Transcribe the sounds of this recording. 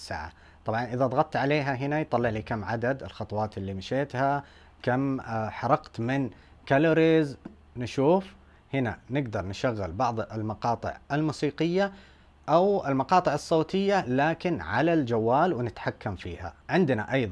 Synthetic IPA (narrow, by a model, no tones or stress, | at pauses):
sːa̰ːʕa̰ | t̪ˤɑbʕɑnʔɪðaðˤɑɣɑt̪̚ˤt̪ʕaleːɦaɦɪnajt̪ˤɑlːɪʕliːkamːʕad̪ad̪ɪlxɑt̪ˤwɑːt̪ɪlːimaʃeːt̪ha | kamħɑɾˤɑqt̪mɪn | kalʊɾiz | nʃuːf | hɪna̰nɪɡd̪ɑɾˤnɪʃaɣːɪlbɑʕðˤɪlmɑqɑːt̪ˤɪ̰ʕɪlmuːsiːqɪjːa | ʔawɪlmɑqɑːt̪ˤɨʕɑsˤːoːt̪ɪjːalaːkɪnʕa̰lald͡ʒawːaːlwɪnɪt̪ħakːamfiːha̰ʕɪnd̪naʔɑjðˤ